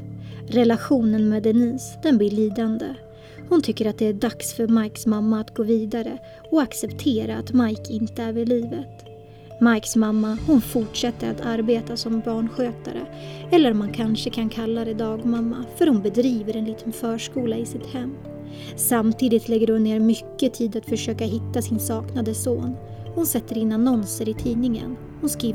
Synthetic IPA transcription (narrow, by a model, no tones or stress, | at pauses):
ɾɛlaɧuːnənmeːd̪ɛniːsd̪̥ɛnblɪɭiːd̪and̪ə | hʊnt̪ʰʏkːəɾat̪̚d̪ɛæɖaksfœɾmajksmamːaːt̪ɡoːviːd̪aɾə | ɔaksɛpt̪ʰeːɾaːt̪majkʰɪnt̪əæɾvɪɭiːvət̪ | majksmamːahʊnfʊʈʂɛt̪ːəɾat̪ʰaɾbeːt̪asɔmbɑːɳɧøːt̪a̰ɾə̰ɛlːəɾɔmːankʰanʂəkʰankʰalːad̪ɛd̪ɑːɡmamːa̰fœɾhʊnbɛd̪ɾiːvəɾɛnliːt̪ənfœːʂkuːlaɪsɪt̪hɛmː | samt̪ʰiːd̪ɪt̪lɛɡːəɾhʊnːeːɾmʏkːət̪ʰiːd̪at̪fœʂøːkaɦɪt̪ːasɪnsɑːknad̪əsoːn | hʊnsɛt̪ːəɾɪnːanɔnsəɾɪt̪ʰiːnɪŋə̰n | hʊnskiː